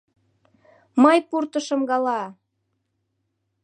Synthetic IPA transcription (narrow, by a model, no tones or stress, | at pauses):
mɤjpurt̪əʃə̆mɡɑlɑ